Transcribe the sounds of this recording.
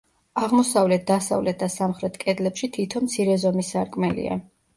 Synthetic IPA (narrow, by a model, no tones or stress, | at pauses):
aʁmɔsavlɛt̪̚d̪asa̰vlɛt̪̚ʰd̪asamχɾɛt̪ʰkʼɛd̪lɛpʃit̪ʰit̪ʰɔmt̪sʰiɾɛzɔmisaɾkʼmɛlḭa̰